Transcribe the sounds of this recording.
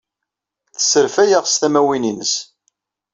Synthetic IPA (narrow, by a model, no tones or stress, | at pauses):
θə̥sːəɾfæjaʁst̪æmæwininəs